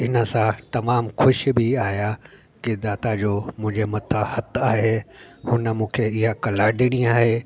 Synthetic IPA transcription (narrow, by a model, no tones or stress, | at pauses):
ɪnə̆sãt̪ɐmaːmxʊʃbɪaːɦja | kid̪aːt̪ad͡ʑoːmʊ̃ɦɪ̃ɲd͡ʑemɐt̪ʰəhɐt̪ʰaːɦehʊnə̆mũːkʰeɪɦakɐlaːɖiɽ̃iaːɦeː